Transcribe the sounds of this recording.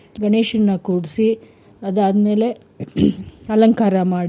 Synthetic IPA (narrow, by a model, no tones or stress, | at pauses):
ɡɐneːʃɐnːɐkuːɽisi | ɐd̪aːd̪ɐme̞ːle̞ | ɐlɐŋkaːɾɐmaːɽi